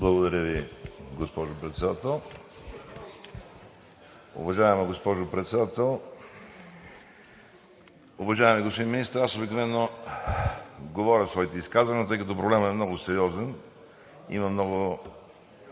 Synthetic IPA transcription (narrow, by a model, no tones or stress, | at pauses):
blˠɐɡod̪ɐɾʲəviɡospɔʒʊpɾɛt̪sɛd̪at̪ɛlˠ | ʊ̰vɐʒaɛmɛɡospɔʒʊpɾɛt̪sɛd̪at̪ɛlˠ | ʊvɐʒaɛmɛɡospod̪inminist̪əɾasobiknovɛnːo | ɡovɔɾʲəsvɔit̪ɛiskazvɐnʲit̪ɤjkɐt̪ɔpɾoblɛməɛmnɔɡʊsɛɾʲiɔzɛn | ḭmɐmnɔɡʊ